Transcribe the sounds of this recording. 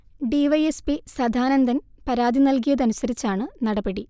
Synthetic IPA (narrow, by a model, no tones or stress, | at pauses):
ɖiʋɐjespisɐd̪ʱaːnɐnd̪ʱɐnpɐɾaːd̪inɐlk̬ijɐðɐnusɐɾit͡ɕːaːɳɨnɐɽɐbeɽi